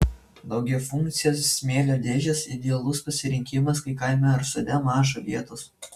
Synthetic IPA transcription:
d̪ɐʊɡʲɛʊfʊŋk̚t̪sʲɪjoːssʲmʲeːlʲod̪ʲeːʒʲɛsɪd̪ʲɛɐlˠʊspɐsʲɪɾʲɪŋʲkʲɪmɐskɐɪkɐɪmʲɛɐɾsʊd̪ʲɛmɑːʒoʋʲiɛt̪oːs

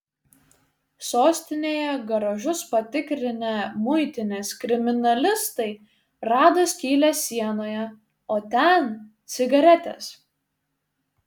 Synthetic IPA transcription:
soːsʲt̪ʲɪnʲeːjɛɡɐɾɐʒʊspɐt̪ʲɪkɾʲɪnʲɛmʊɪt̪ʲɪnʲɛskɾʲɪmʲɪnɐlʲɪst̪ɐɪ | ɾɑːd̪ɐsʲkʲiːlʲɛsʲiɛnoːjɛ | oːt̪ʲɛnt̪sʲɪɡɐɾʲɛt̪ʲɛ̰s

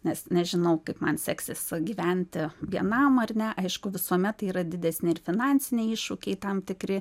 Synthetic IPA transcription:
nʲɛsnʲɛʒʲɪnɐʊkɐɪpmɐnsʲæksʲesɡʲiʋʲɛnʲt̪ʲɪʋʲiɛnɐmɐrʲnʲɛʔɐɪʃkʊʋʲɪsuɔmʲɛt̪tiːɾɐd̪ʲɪd̪ʲɛsʲnʲɪɪrfʲɪnɑnʲsʲɪnʲeiʃʊkʲɛɪt̪ɐmt̪ʲɪkɾʲɪ

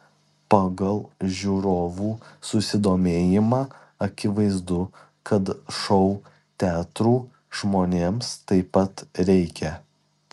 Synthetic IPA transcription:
pɑɡɐlˠʒʲuːɾoːʋuːsʊsʲɪd̪oːmʲeːjɪmɑː | ɐkʲɪʋɐɪzd̪ʊ | kʰɐt̪ʃɔʊ | t̪ʲæːt̪ɾuː | ʒ̥moːnʲeːmst̪ɐɪpɐt̪ɾʲɛɪkʲɛ

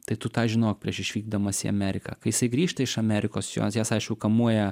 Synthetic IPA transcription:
t̪ɐɪt̪ʊt̪ɑːʒʲɪnoːk̚pʲiɛʃɪʃʲʋʲiːɡ̚d̪ɐmɐsʲɪ̰ɐ̰mʲæːɾʲɪkɐ̰ːkɐɪjɪsɐɪɡɾʲiːʃt̪ɐɪʃɐmʲæːɾʲɪkoːsjo̰ːsjæːsɐɪʃʲkʲɛʊkɐmuɔjɛ

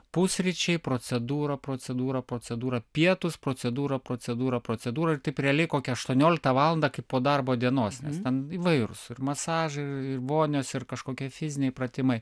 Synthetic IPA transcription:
pʊsʲrʲɪt͡ʃʲɛɪpɾoːt͡sʲɛd̪uːɾɐpɾoːt͡sʲɛd̪uːɾɐpɾoːt͡sʲɛd̪uːɾɐpʲiɛt̪ʊspɾoːt͡sʲɛd̪uːɾɐpɾoːt͡s̪ʲɛd̪uːɾɐpɾoːt͡sʲɛd̪uːɾɐɪrt̪ɐɪprʲɛlʲɛɪkoːkʲɛɐʃt̪uɔnʲoːlʲɪk̚t̪ɐʋɑːlˠɐnd̪ɐkɐɪppoːd̪ɐrboːd̪ʲiɛnoːsnʲɛ̰st̪ʲɛniːʋɐɪɾʊ̰sɪrmɐsɑːʒɐɪɪrʋoːnʲoːsɪrkɐʃkoːkʲiɛfʲɪzʲɪnʲɛɪprɐt̪ʲɪmɐɪ

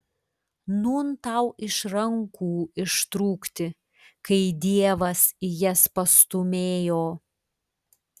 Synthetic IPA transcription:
nuːnt̪ɑʊʔɪʃɾɐŋkʰuːɪʃt̪ɾuːkt̪ʲɪ | kɐɪd̪ʲiɛʋɐsɪjɛspɐst̪ʊmʲeːjoː

